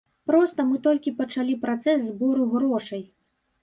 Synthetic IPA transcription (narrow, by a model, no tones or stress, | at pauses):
pɾɔst̪ɐmɨt̪ɔlʲkʲipɐt͡ʂalʲipɾat̪sɛsːbɔɾuɣɾɔʂɐj